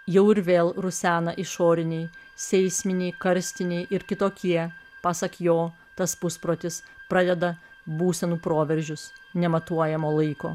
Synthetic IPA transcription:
jɛʊɪɾʋʲeːlˠɾʊsʲæːnɐʔɪʃoːɾʲɪnʲɛɪ | sʲɛɪsʲmʲɪnʲɛɪkɐɾʲsʲt̪ʲɪnʲɛɪʔɪɾkʲɪt̪oːkʲiɛpɑːsɐkjoː | t̪ɐspʊspɾoːt̪ʲɪspɾɐd̪ʲɛd̪ɐ | buːsʲɛnuːpɾoːʋʲɛɾʲʒʲʊsnʲɛmɐt̪uɔjɛmoːlˠɐɪko̰ː

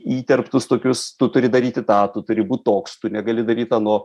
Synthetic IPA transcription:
iːt̪ʲɛrpt̪ʊst̪oːkʲʊst̪ʊt̪ʊɾʲɪd̪ɐɾʲiːt̪ʲɪt̪ɑːt̪ʊt̪ʊɾʲɪbuːt̪̚ʲt̪oːkst̪ʊnʲɛɡɐlʲɪd̪ɐɾʲiːt̪ɑnoː

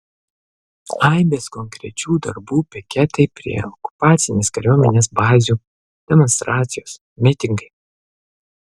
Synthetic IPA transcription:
ɐɪbʲeːskɔŋʲkɾʲɛ̰t͡ʃʲuːd̪ɐ̰ɾbuːpʲɪkʲɛt̪ɐɪpʲɾʲḭɛɔkʊ̥pɑːt̪sʲɪnʲeːskɐɾʲuɔmʲɛnʲeːsbɑːzʲuː | d̪̥ʲɛmɔnst̪ɾɑːt̪ʲsʲɪjoːs | mʲɪt̪ʲɪŋɡɐɪ

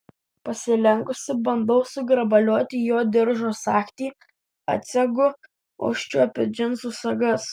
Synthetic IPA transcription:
pɐsʲɪlʲɛŋkʊsʲɪbɐnd̪ɐʊsʊɡɾɐbɐlʲuɔt̪ʲijoːd̪ʲɪɾʒoːsɑːkt̪ʲiː | ɐ̰t̪ʲsʲɛɡʊ | ɐ̰ʊʃʲt͡ʃʲuɔpʲɪd͡ʒʲɪnsʊsɐɡɐs

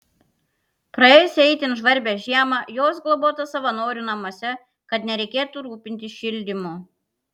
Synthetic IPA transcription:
pɾɐeːjɛsʲɛɪt̪ʲɪnʒʋɐɾʲbʲeʒʲiɛmɐjoːsɡlˠɔboːt̪ɐsɐʋɐnoːɾʲunɐmuɔsʲɛ | kɐt̪nʲɛɾʲɛɪkʲeːt̪uɾuːpʲɪnʲt̪ʲɪʃʲɪlʲd̪ʲɪmu

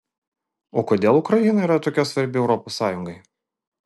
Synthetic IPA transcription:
oːkoːd̪ʲeːlˠʊkɾɐjinɐiɾɐt̪oːkʲɛsʋɐɾʲbʲɪɛʊɾɔposːɑːjʊŋɡɐɪ

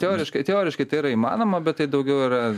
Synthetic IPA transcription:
t̪ʲeoːɾʲɪʃkɐɪt̪ʲɛoːɾʲɪʃkɐɪt̪ɐɪiːɾɐimɑ̰ːnoːmɐbʲɛt̪̚t̪ɐɪd̪ɐʊɡʲɛʊiːɾɐ

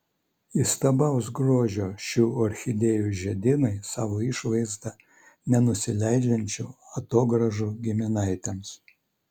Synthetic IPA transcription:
ist̪ɐbɐˑʊsɡɾoːʒʲoːʃʲuːɔɾʲxʲɪd̪ʲeːjuʒʲɛd̪ʲɪnɐɪsɑːʋoɪʃʋɐɪzd̪ɐ | nʲɛnʊsʲɪlʲæɪd͡ʒʲɛnʲt͡ʃʲuːɐt̪oːɡɾɐʒuːɡʲɪmʲɪnɑɪt̪ʲɛms

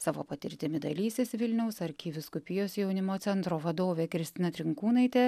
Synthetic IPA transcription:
sɑːʋo̰ːpɐt̪ʲɪ̰ɾʲt̪ʲɪmʲɪd̪ɐlʲiːsʲesʋʲɪlʲnʲɛʊsɐɾʲkʲiːʋʲɪskʊpʲɪjoːsjɛʊnʲɪmoːt̪sʲɛnt̪ɾoːʋɐd̪oːʋʲeːkɾʲɪsʲt̪ʲɪnɐt̪ʲɾʲɪŋkuːnɐɪt̪ʲeː

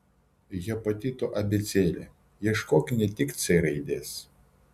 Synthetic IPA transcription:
jɛpɐt̪ʲit̪oʔɐbʲɪt̪sʲeːlʲḛ | jɛʃkoːkʲɪnʲɛt̪ʲɪkt̪sʲɐɪɾɐɪd̪ʲeːs

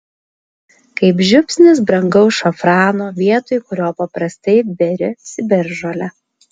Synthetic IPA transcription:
kɐɪpʒʲʊpʲsʲnʲɪs̬bɾɐŋɡɐʊsʃɐfɾɑːnoːʋʲiɛt̪oːjkʊɾʲoːpɐpɾɐsʲt̪ɐɪbʲɛɾʲɪsʲɪbʲɛɾʒolʲɛ

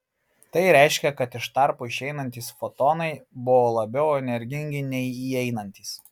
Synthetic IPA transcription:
t̪ɐɪɾʲæˑɪʃʲkʲɛkɐt̪ɪʃt̪ɑˑɾpʊɪʃɛɪnɐnʲt̪ʲiːsfɔt̪ɔːnɐɪbʊʋoːlˠɐbʲɛʊɛnʲɛɾʲɡʲɪŋʲɡʲɪnʲɛɪiːɛɪnɐnʲt̪ʲiːs

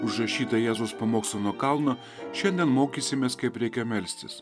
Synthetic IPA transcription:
ʊʒɾɐʃʲiːt̪ɐjæːzʊspɐmoːkslʲonoːkɐˑlˠnoː | ʃʲɛnʲd̪ʲɛnmoːkʲiːsʲɪmʲeːskɐɪpɾʲɛɪkʲɛmʲɛlʲsʲt̪ʲɪs

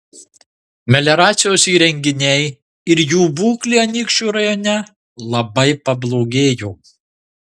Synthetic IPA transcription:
mʲɛlʲɛɾɑːt̪sʲɪjoːsiːɾʲɛŋʲɡʲɪnʲɛɪ | ɪɾjuːbuːklʲiːɐnʲiːkʃʲt͡ʃʲuːɾɐjɔnʲɛ | lˠɐbɐɪpɐblˠoːɡʲeːjoː

